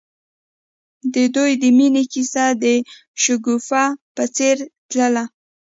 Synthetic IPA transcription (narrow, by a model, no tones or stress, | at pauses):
d̪əd̪ujd̪əminekisad̪ə | ʃʊɡufapət͡seɾt̪ləla